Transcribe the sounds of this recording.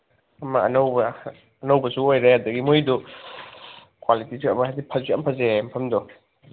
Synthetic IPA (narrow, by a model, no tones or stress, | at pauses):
ɐmːɐɐnɐwbɐː | nɐwbɐsuojɾehadɐɡimojdu | kwalitisiɐ̰mɐazipʰɐziɐmpʰɐzempʰɐmdɔ